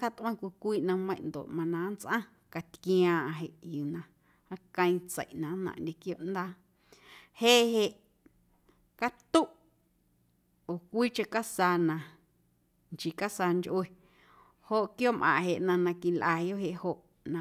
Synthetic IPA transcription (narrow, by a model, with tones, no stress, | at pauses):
ka˧t̪ʔwã˦˧kʷi˧kʷiː˦ʔnã˧mə̃˧j̃nd̪o̰˨ʔmã˧nã˨˦nt͡sʔã˦ | ka˨t̪kj̃ãː˧ʔã˧ɦe˨ʔju˨nã˧ | a˧kə̃˧ĩ˧t͡sə̰˨ʔnã˨˦nã̰˨ʔndʲe˧kjo˦˧ʔnd̪aː˦ | he˦ɦe˧ʔ | ka˦t̪u˦ʔ | oː˨kʷiː˦t͡ʃe˧ka˦saː˧nã˧ | nt͡ʃi˨ka˦sa˧nd͡ʒʔwe˧ | ho˦ʔkjoː˦mʔã̰˨ɦe˨ʔnã˧nã˧ki˧lʔaː˧jo˦ʔɦe˧˨ʔho˧ʔ | nã˧